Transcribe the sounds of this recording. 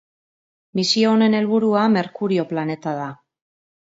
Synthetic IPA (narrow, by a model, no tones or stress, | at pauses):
misio̞ːne̞ne̞lβuɾuame̞ɾkuɾio̞plane̞t̪aða